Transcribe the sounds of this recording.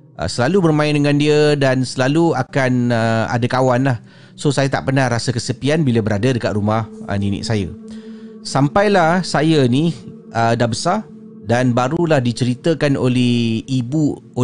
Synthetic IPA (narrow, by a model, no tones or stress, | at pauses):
ʔə̰səlalubərmãɪndəŋãndiədansəlaluakanəa̰dakawanlah | sosajat̪a̰ʔpərnahrasakəsəpianbiləbəɾadadəkat̪̚ɾumahə̰ninɪ̰ʔ̚saja | sampajlahsajəni | ʔədahbəsar | danbaɾulahdit͡ʃəɾit̪əkano̰lɛhibu | o